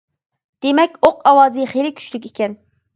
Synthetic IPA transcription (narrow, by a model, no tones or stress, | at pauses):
d̪̥emɛkʲoqɑwɑːzɨχelɪkʲʰy̥t͡ʃlykʲikʲɛn